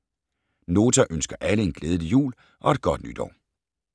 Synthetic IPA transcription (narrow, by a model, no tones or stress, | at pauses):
no̝ːt͡sʰæʔønsɡ̥ɐʔæləe̝nɡ̥leːðˠləjṵːl | ʔɒ̽e̝d̥̚ɡ̥ɒ̽d̥nyd̥ɒ̰ʊ̰